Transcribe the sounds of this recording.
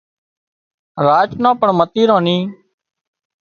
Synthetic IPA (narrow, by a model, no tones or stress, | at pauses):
ɾaːt͡ʃnãːpəɳmət̪iːɾõːniː